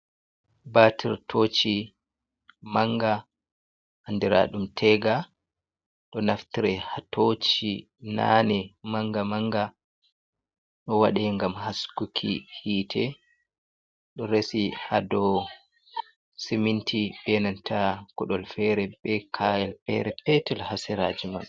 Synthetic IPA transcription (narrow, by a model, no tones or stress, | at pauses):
batʰiɾtʰoːt͡ʃi | maŋɡa | ʔandiɾa̰ɗumtʰɛɡa | ɗɔnaftiɾɛhatʰot͡ʃi | na̰nɛmaŋɡamaŋɡa | ɗɔwaɗɛŋɡamhaskukʰḭhiːtʰɛ | ɗɔɾesihadɔ | semintʰibɛnantʰakɔɗɔlfɛɾɛbɛkʰaɛlpɛ̰ɾɛpɛtɛlhasɛɾa̰ːd͡ʒima̰ɓɛ